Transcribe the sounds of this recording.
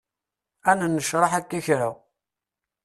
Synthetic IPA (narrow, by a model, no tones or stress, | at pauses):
ænnːəʃɾˤɑħækːæçɾa